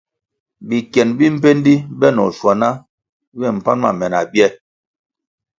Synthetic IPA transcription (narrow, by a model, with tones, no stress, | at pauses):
bi˨kjɛ˨nbi˦m̩˦pe˦n˦di˦bɛ˦nɔ̰˨ʃwa˨na˦ | bɛ˦˨m̩˨pa˦nma̰˨mɛ˨na˨bjɛ˦˨